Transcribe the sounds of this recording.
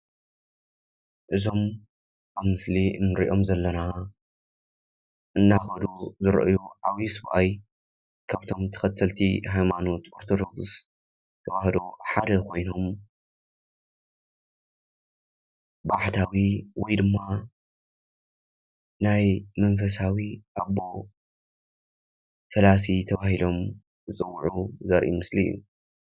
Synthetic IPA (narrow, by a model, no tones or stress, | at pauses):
ʔɨzo̞m | ʔaβmɨsliɨnːɨɾḭʔo̞mzɐlːɐna | ʔɨnːaxɐd̪uzɨɾʔɨjuʕaβisɨβʔaj | kʰaβt̪ʰo̞mt̪ʰɐ̥xɐt̪ʰːɐlt̪ʰiɦajmano̞t̪ʔo̞ɾt̪ʰod̪o̞ɡɨs | t̪ʰɐwahd̪uħad̪ɐkʰo̞jno̞m | baħt̪ʰawiwɔjd̪ɨmːa | najmɐnfɐs̬awiʔaβo̞ | fɐlas̬it̪ʰɐβahilo̞m | zɨt͡sʼɨwːuʕuzɐɾʔḭmɨsliṵ